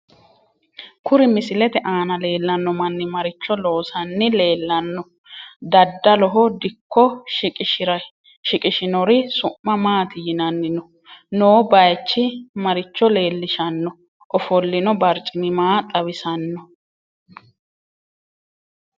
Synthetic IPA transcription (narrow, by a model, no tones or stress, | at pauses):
kʊɾɪmɪsɪlɛt̪ɛʔaːnɐle̞ːlːɐnːɔmɐnːɪmɐɾɪt͡ʃːɔlo̞ːsɐnːɪle̞ːlːɐnːɔ | d̪ɐd̪ːɐlɔɦɔd̪ɪkːɔʃɪkʼɪʃɪɾɐ | ʃɪkʼɪʃɪnɔɾɪsʊʔmːɐmaːt̪ɪjɪnɐnːɪnɔ | noːbɐjt͡ʃːɪmɐɾɪt͡ʃːɔle̞ːlːɪʃɐnːɔ | ʔɔfɔlːɪnɔbɐɾt͡ʃʼɪmɪmaːt̪ʼɐβɪsɐnːɔ